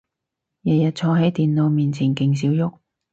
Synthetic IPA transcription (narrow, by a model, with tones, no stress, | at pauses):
jɐ˨jɐ˨t̚t͡sʰɔː˧ɦɐ˨˥jt̪iː˨nlo˨˧wmiː˨˩nt͡sʰiː˨˩nkɪ˨˧ŋs̬iː˨˥wjʊ˥k̚